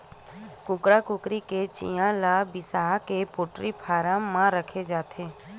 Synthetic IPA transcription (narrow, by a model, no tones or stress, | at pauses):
kʊkɾakʊkɾiket͡ʃḭjãlaːbɪsaːɦkepoːʈɾipʰaːɾãmmãɾəkʰed͡ʒaːt̪ʰeː